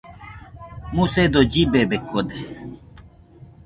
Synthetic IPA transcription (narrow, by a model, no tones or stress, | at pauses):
mused̪od͡ʑibebekːod̪e